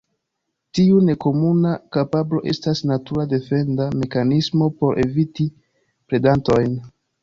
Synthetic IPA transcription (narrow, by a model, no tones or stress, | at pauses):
tiune̞ko̞munakapablo̞ʔe̞̰stasnatuɾade̞fe̞ndame̞kanismo̞po̞ɾʔe̞̰viti | pɾe̞danto̞jn